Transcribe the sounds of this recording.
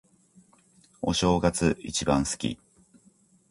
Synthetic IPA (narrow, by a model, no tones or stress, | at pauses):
o̞̰ɕo̞ːɡat͡sɨit͡ɕibãɰ̃sɨ̥kʲḭ